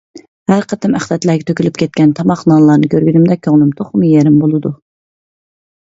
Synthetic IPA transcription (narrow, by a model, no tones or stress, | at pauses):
hæɾqʰət̪ɨmæχlɛt̪læːɡʲɛt̪ʰøkʲylyp̚kʲʰɛt̪̚kʲɛnt̪ʰɑmɑχnɑlˠɑːnɨkʲʰøɾɡʲynɪmd̪ɛkʲʰøŋlˠymt̪ʰoχmɨjeɾɪmbolˠɨd̪u